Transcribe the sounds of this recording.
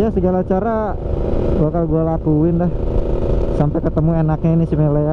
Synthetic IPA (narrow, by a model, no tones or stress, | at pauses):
jasəɡalat͡ʃaɾa | akalɡualakuɪndah | sampɛkət̪əmuenak̚ɲainisimele